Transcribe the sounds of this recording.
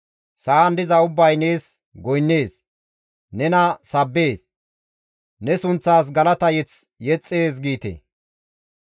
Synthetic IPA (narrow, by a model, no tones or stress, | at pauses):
saːnd̪ɪzɐʊbːɐjne̞ːs | ɡɔjnːe̞ːs | nɛnɐsɐbːe̞ːs | nɛsʊnt͡sːaːs̬ɡɐlɐt̪ɐjɛt͡sjɛt͡sʼːe̞ːs̬ɡiːt̪ḛ